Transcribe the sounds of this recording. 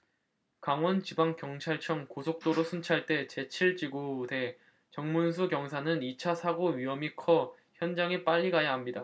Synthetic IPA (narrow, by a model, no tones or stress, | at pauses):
kaŋwʌnt͡ɕibaŋkjʌŋt͡ɕʰaɭt͡ɕʰʌŋkosʰok̚t͈oɾosʰunt͡ɕʰaɭt͈e̞t͡ɕe̞t͡ɕʰiɭt͡ɕiɡode̞ | t͡ɕʌŋmuns̬ʰuɡjʌŋs̬ʰanɯnit͡ɕʰasʰaɡoɥiɦʌmikʰʌ | çjʌnd͡ʑaŋip͈aʎːiɡajaɦamɲida